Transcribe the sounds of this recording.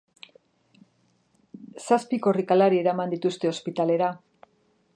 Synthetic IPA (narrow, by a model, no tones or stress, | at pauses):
saspiko̞rikalaɾie̞ɾamand̪it̪ust̪e̞o̞spit̪ale̞ɾa